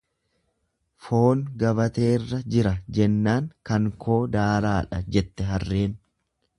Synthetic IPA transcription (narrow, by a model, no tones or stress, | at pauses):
fo̞ːnɡɐbɐt̪e̞ːrːɐd͡ʒɪɾɐd͡ʒɛnːaːŋkɐŋkʰo̞ːd̪aːɾaːᶑɐd͡ʒɛt̪ːɛɦɐrːe̞ːn